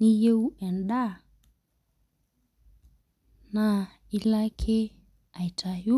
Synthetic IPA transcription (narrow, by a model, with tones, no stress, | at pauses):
ni˦je˦u˦ɛ˨nɗa˦ | na˨ | i˦la˦kʰe˦ | a˨i˨tʰa˨ju˦